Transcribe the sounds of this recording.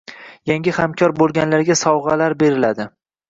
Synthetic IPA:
jaŋɡʲɪhamkʲʰɒɾbolˠɡʲanlaɾɡʲasɒwʁɑlaɾbe̞ɾɪlad̪ɪ

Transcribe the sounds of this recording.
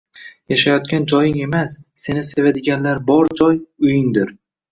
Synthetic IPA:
jaʃajɒt̪̚kʲand͡ʒɒjɪŋe̞masːe̞nɪsevad̪ɪɡʲanlaɾbɒɾd͡ʒɒjʊjɪŋd̪ɪɾ

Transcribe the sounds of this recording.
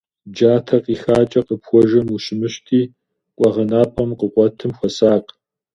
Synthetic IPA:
d͡ʒaːtʰɐqiːxaːt͡ʃʼɐqəpxʷɔʒɐmuɕɪmɨɕtʰiː | kʷʼɔʁɐnaːpʼɐmqəqʷʼɔtʰɨmxʷɔsaːq

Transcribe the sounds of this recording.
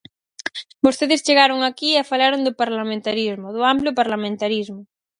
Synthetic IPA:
bost̪eðɪst͡ʃeɣaɾʊŋakiɛfalaɾʊnd̪ʊpaɾlamẽnt̪aɾizmʊðʊampljʊpaɾlamẽnt̪aɾizmʊ

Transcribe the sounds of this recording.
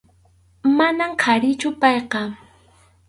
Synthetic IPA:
manamkʰaɾɪt͡ʃʊpɑjqɑ

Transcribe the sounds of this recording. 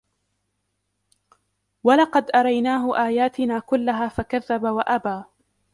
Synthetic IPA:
walɑqɑd̪ʔɑɾˤɑjnaːɦʊʔaːjaːt̪ɪnaːkʊlːaɦaːfakaðːabawaʔabaː

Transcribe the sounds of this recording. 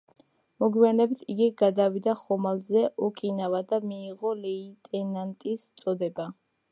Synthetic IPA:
mɔɡwijanɛbit̪ʰiɡiɡad̪avid̪aχɔmalzɛʔukʼinavad̪amiːʁɔlɛit̪ʼɛnant̪ʼist̪sʼɔd̪ɛba

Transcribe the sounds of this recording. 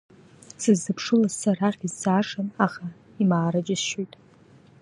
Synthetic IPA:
sɨzːɨpʰʂɨlazsaɾaχʲizsaːʂanaχa | imaːɾad͡ʒʼɪsʃojtʼ

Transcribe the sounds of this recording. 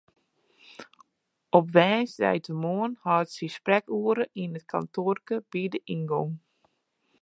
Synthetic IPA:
ʔɔpʋɛːnsdɛ̰jtəmoənhɔətsisprɛkuəɾəʔiənət̚kʰa̰ntʰoːrkəb̥idəʔinɡoŋ

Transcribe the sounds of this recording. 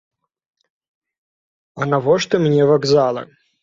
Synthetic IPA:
ɐnɐvɔʂt̪ɨmnʲɛvɐɡzalˠɐ̰

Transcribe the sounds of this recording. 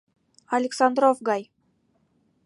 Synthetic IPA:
alʲeksand̪ɾofɡɑj

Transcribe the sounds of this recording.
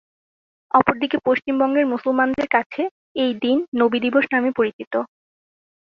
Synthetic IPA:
ɔpoɾd̪ikepoʃt͡ɕimbɔŋɡeɾmusulmand̪eɾkat͡ɕʰe | ejd̪inːobid̪iboʃnamepoɾit͡ɕit̪o

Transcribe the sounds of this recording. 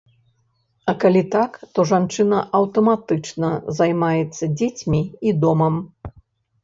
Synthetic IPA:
ɐkalʲit̪akt̪ɔʐant͡ʂɨnɐʔɐwt̪ɐmat̪ɨt͡ʂnɐzajmajɛt̪sːɐd͡zʲet͡sʲmʲiːd̪ɔmɐm

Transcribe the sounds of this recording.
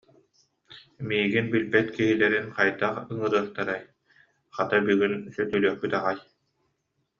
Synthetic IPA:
miːɡinbilbɛt̪kiɦilɛɾinqajd̪aχɯŋɯɾɯːχt̪aɾaj | χat̪abyɡynsœt̪ylyœχpyt̪aʁaj

